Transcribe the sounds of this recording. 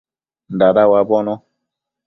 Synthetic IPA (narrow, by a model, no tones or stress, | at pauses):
ndaɗawabɔnɔ